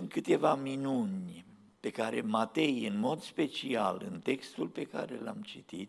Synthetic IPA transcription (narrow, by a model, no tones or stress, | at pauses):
ɨnt̪̚kɨt̪e̞vaminunʲ | pe̞kaɾe̞mat̪e̞jɨnmo̞d̪spe̞t͡ʃia̰lɨ̰nt̪e̞kst̪ulpe̞ka̰ɾe̞̰la̰mt͡ʃit̪it̪